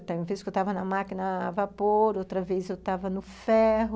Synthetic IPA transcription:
t̪ẽj̃ũɐveskewt̪avɐnɐmakinɐvapoɾowt̪ɾɐvezewt̪avɐnʊfɛɦʊ

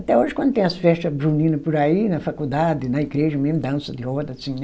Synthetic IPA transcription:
t̪ɛoʒɪkwɐ̃d̪ʊt̪ẽɐsfɛst̪ɐbɾunĩnɐpoɾainɐfakud̪ad̪ɪnɐiɡɾeʒɐmẽmʊd̪ɐ̃sɐd̪ɪɔd̪ɐsĩ

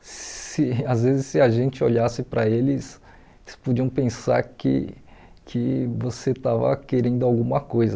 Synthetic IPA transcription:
ɪazvezɪsːɪɐʒẽnt͡ʃɪoʎasɪpɾɐelɪs | elɪspud͡ʒiɐ̃w̃pẽsa̰ɾkɪ̰kʰɪvoset̪avɐ̰keɾẽnd̪ʊawɡũmɐkojzɐ

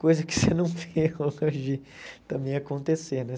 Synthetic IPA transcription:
kojzɐkɪ̥senɐ̃w̃veolɐʒi | t̪ɐ̃mbẽj̃akõnt̪esenɛ

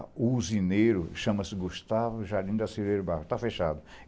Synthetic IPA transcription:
uzinejɾʊʃɐ̃mɐsɪɡuʃt̪avʊʒaɾd͡ʒ̪ʲĩd̪ɐsiveɾɐbahʊt̪afeʃa̰d̪ʊ

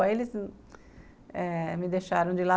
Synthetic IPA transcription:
elɪz | ɛmɪd̪eʃaɾɐ̃w̃d͡ʒɪla

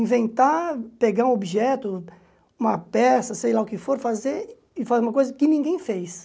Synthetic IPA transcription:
ĩvẽnt̪apeɡaũobiʒɛt̪ʊ | ũmɐpɛsɐsejlaʊkɪfoɾfazeɾ | ɪfazeũmɐkojzɐkɪnĩɡẽj̃fejs

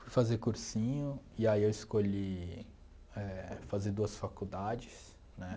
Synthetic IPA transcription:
fujfazekuɾsĩɲʊ | iaiewɪskoʎi | ɛfazed̪uɐsfakud̪ad͡ʒɪs | nɛ

